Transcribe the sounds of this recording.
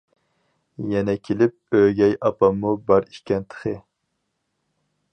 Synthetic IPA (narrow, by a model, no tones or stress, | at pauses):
jɛnɛkʲʰelɪp̚øɡʲɛjɑpɑmːubɑɾi̥ʃkʲɛnt̪ʰə̥χɨ